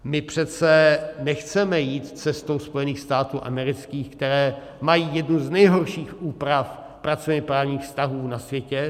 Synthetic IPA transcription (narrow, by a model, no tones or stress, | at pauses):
mɪpr̝̥ɛt͡sɛnɛxt͡sɛmɛjiːt̪t͡sɛst̪owspo̞jɛniːxst̪aːt̪uːʔa̰mɛɾɪt͡skiːxkt̪ɛɾɛː | majiːjɛdnuznɛjɦoɾʃiːxʔuːpɾaf | pɾat͡sovɲɛpɾaːvɲiːxfst̪aɦuːnasvjɛcɛ